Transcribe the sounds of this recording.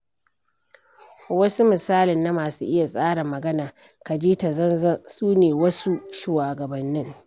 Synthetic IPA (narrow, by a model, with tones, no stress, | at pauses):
wɐ˦su˦mɪ˨saː˦lɪ˨nːa˦maː˨suː˦ʔɪ˦ja˨sʼaː˦ɽɐ˨mɐ˨ɡɐ˦naː˨ | ka˨d͡ʒiː˦ta˨zɐ˦nzɐ˦suː˦neː˨wɐ˦su˦ʃu˨waː˨ɡɐ˨bɐ˨nːɪ˦ŋ